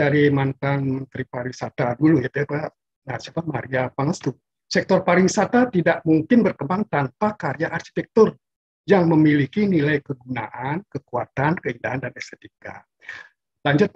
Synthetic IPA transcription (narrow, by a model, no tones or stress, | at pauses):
aɾimant̪anmənt̪ɾipaɾisat̪adulujat̪uapa | nasiapamaɾiapaŋəst̪u | sɛk̚t̪ɔrpaɾisat̪at̪idaʔmuŋkɪnbərkəmbaŋt̪anpakaɾiaʔarʃi̥t̪ɛk̚t̪ʊr | jaŋməmilikinilajkəɡuna̰ʔankəkuat̪ankəindaɦandanɛsɛt̪ika̰ | laɲd͡ʒʊt̪̚